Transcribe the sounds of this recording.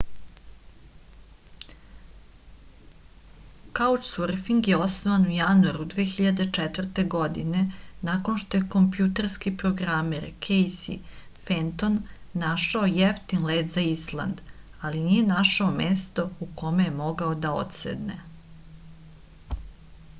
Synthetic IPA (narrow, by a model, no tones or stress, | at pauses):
kaut͡ʃsrɾfiŋɡje̞o̞snoʋanujanuaɾud̪ʋeːxiʎad̪e̞t͡ʂɛt̪vr̩t̪e̞ɡod̪ḭnenakonʃt̪o̞je̞ko̞mpjut̪eɾskipɾoɡɾameɾkʰejsḭfent̪o̞nːaʃaojeft̪inleːd̪zaislˠa̰nd̪ | alinije̞naʃaomeːst̪o̞uko̞mejemo̞ɡaod̪ao̰t̪sḛd̪nḛ